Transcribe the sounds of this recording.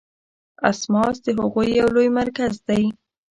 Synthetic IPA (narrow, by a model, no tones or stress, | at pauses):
a̰smɑsd̪əɦʊɣujːawlojmaɾkazd̪aj